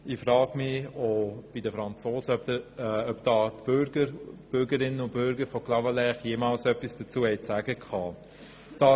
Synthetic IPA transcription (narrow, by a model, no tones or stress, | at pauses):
ɪfɾɑːɡ̥mɪob̥idəfɾɑnt͡soːsəœpəœpd̥̪ɑːt̪b̥ʏɾɡəɾb̥ʏɾɡəɾɪnəʊb̥ʏɾɡəɾfɔklɑvalɛχjeːmɑlsœpːisd̥ət͡suːhɛɪt͡sæːɡ̥əkʰχɑː | d̥ɑː